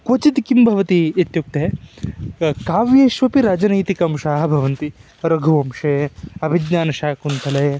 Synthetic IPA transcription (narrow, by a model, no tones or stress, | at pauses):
kot͡ʃit̪kimbʱɐʋɐt̪iet̪juk̚t̪e | kaːʋjeːʃʋɐpiɾaːd͡ʒɐnɐjt̪ikɐmʃaːɦɐbʱɐʋɐnt̪i | ɾɐɡʱuʋɐmʃeːɐbʱid͡ʒnaːnɐʃaːkunt̪ʰɐlɐː